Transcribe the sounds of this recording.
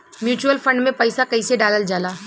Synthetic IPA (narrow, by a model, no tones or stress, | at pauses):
mjuːt͡ʃuəlfʰə̃ɳɖmẽpɐɪsakɐiseɖaːləld͡ʒaːlaː